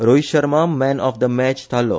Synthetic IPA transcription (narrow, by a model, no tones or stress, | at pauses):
ɾojʃəɾmamɛ̃nɔfd̪əmɛt͡ʃt̪alo̰